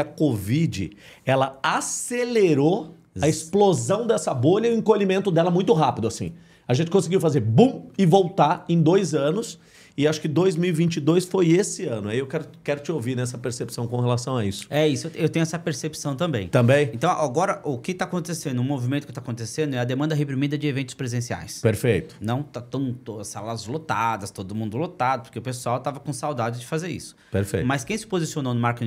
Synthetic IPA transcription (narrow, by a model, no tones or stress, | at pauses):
ɐkovid͡ʒɪ̰ɛlɐaseleɾo | ɐɪsplozɐ̃w̃d̪ɛsɐboʎɐiʊẽkoʎimẽnt̪ʊd̪ɛlɐmũj̃t̪ʊɦapɪd̪ʊasḭ̃ | ɐaʒẽnt͡ʃɪkõsɪɡiwfazeɾbũɪvowt̪aɾẽj̃d̪ojzɐ̃nʊs | ɪaʃʊ̥kɪd̪ojzmiwivĩnt͡ʃɪd̪ojsfojesɪɐ̃nʊaiewkɛɾʊkɛɾʊt͡ʃɪowviɾnɛsɐpeɾsepsɐ̃w̃kõhelasɐ̃w̃aisʊ̥ɛisʊeewt̪ẽɲʊ̃ɛsɐpeɾsepi̥sɐ̃w̃t̪ɐ̃mbẽj̃t̪ɐ̃mbẽj̃ẽnt̪ɐ̃w̃ʔaɡɔɾɐʔʊkɪt̪aːkõnt̪esẽnd̪ʊʊ̃movimẽnt̪ʊkɪ̥t̪akõnt̪esẽnd̪ʊɛɐd̪emɐ̃nd̪ɐɦepɾimid̪ɐd͡ʒɪevẽnt̪ʊ̥spɾezẽsia̰jspeɾfejt̪ʊ̥nɐ̃w̃t̪at̪ɐ̃w̃t̪oɐsalɐzlot̪ad̪ɐst̪od̪ʊmũnd̪ʊlot̪ad̪ʊpoɾkeʊpesuawt̪avɐkõsawd̪ad͡ʒɪd͡ʒɪfazeɾḭsʊ̥peɾfḛjmɐskẽj̃sɪ̥pozisiononʊmaɾke